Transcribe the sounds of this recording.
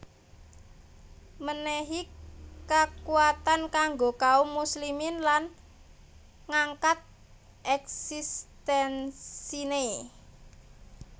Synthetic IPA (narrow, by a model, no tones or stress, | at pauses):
məneɦikakuat̪ankaŋɡokaumusliminlan | ŋaŋkat̪̚ | ʔɛksist̪ɛnsine